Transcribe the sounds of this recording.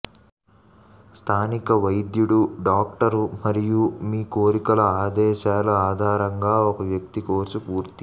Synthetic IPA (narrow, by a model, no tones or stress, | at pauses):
st̪ʰaːnikɐʋɐjd̪juɽuɖaːk̚ʈɐɾumɐɾijumiːkoːɾikɐlɐaːd̪ɛːʃaːlɐaːd̪ʱaːɾɐŋɡaːɔkɐʋjɐk̚t̪ikoːɾsupuːɾt̪i